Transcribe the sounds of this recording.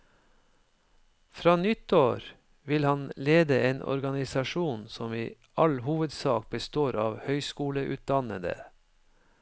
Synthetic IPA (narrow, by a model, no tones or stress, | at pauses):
fɾɑːnʏt̪oːɾ | ʋɪlhɑnleːd̪əeːnʔɔ̰ɾɡɑnɪsɑʃuːnsɔmiː | ʔɑlhuːʋəd̪sɑːk̚bəst̪oːɾɑːʋhœʏskuːləʔʉ̰ːt̪̚d̪ɑnəd̪ə̰